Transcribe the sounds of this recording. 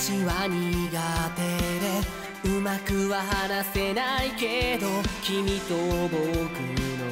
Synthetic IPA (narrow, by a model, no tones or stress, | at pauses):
t͡ɕiβaɲ̟iɡat̪e̞d̪e̞ | ɯ̟makɯ̟βaɦanase̞naike̞d̪o̞kʲimʲit̪obokɯ̟no